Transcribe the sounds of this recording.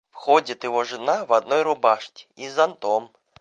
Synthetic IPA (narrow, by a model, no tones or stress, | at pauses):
fxɔd͡zʲit̪jɪɦɔʐɨnaʋɐd̪nɔjɾʊbaʂtʲi̥izɐnt̪ɔm